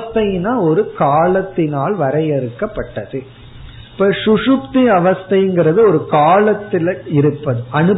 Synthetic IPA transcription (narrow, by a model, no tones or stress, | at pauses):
st̪ɐjɪnaːɔɾɯkaːɭɐt̪ːɪnaːlʋɐɾɐjɛɾɯkːɐpːɐʈːɐðɯ | ɪpːɐʂʊʂʊpt̪iɐʋɐst̪ɐjŋɡɪɾɐðɯɔɾɯkaːɭɐt̪ːɪlɪɾɯpːɐðɯʔɐnɯ